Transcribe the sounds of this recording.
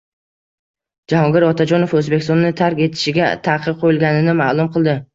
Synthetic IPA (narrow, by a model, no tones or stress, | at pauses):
d͡ʒahɒŋɡʲɪɾɒt̪ʰad͡ʒɒnofɵzbekʲɪst̪ɔnːɪt̪ʰaɾkʲe̞t̪ʰɪ̥ʃɪɡʲat̪ʰaqʰɨp̚qʰojɪlˠɡʲanɪnɪmaːlˠʊmqʰɨlˠd̪ɪ